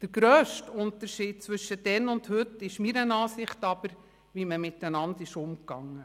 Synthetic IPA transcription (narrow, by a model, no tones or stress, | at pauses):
d̥əɾɡ̥ɾœːʃtʊnt̪əɾʃiːd̚t͡sʋʏʃːəd̥ɛnʊndhɵtːɪʃmiɾənɑːsɪχtɑb̥əɾ | ʋiməmɪtːənɑndɪʃʊmkɑŋːə